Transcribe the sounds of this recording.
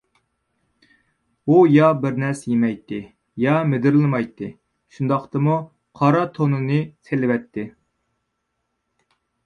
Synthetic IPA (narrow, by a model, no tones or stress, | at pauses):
ujɑbɪɾnɛsjemɛjt̪ʰːɪ | jɑmed̪ɪɾlˠɨmɑjt̪ʰːɨ | ʃund̪ɑqt̪ɨmu | qʰɑɾɑt̪ʰonɨnɨsʰelɪwɛt̪ʰːɪ